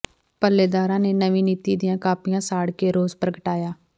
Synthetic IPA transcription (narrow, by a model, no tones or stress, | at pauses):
pəlːeːd̪aːɾãːneːnəʋĩːniːt̪iːd̪ɪjãːkaːpɪjãːsaːɽkeːɾoːzpɾəɡəʈaːjaː